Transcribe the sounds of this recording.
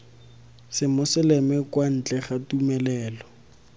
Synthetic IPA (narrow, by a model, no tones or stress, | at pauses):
sɪmʊsɪlɛmɪkwan̩t͡ɬʼɛχatumɛlɛːlɔ